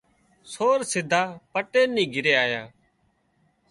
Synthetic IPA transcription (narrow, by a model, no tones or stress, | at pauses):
soːɾsɪd̪ʱaːpəʈeːnːĩːɡʱɪɾeːaːjaː